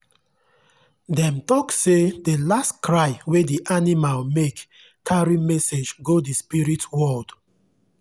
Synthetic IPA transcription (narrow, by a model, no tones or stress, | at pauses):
dɛ̃mtɔksedəlastkʰɹaɪwediʔanimalmek | kʰaɹimɛsed͡ʒɡodispiɹitwɔld̥